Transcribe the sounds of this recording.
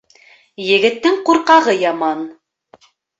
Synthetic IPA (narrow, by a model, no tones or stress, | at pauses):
jɘ̆ɡɘ̆t̪ːɘŋquɾqɑʁɤjɑmɑn